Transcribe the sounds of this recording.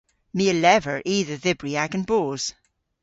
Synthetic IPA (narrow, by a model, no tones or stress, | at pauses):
miəlɛvə˞ʔiːðə˞ðɪbɹiaɡə̃nboːz̥